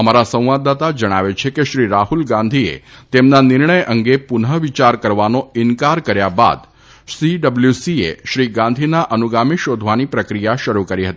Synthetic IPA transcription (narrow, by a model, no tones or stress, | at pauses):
əmaɾasə̃ʋad̪ːat̪ad͡ʒəɽ̃aʋet͡ʃʰekeʃɾiɾaɦulɡãnd̪ʱiḛt̪emnanɪɾɳəjʔəŋɡepʊnɦəʋit͡ʃaɾkəɾʋanoɪnkaɾkəɾjaba̰d̪ | siɖəbljusiḛʃɾiɡãnd̪ʱinaʔənuɡamiʃod̪ʱʋanipɾəkɾijaʃəɾukəɾiɦət̪i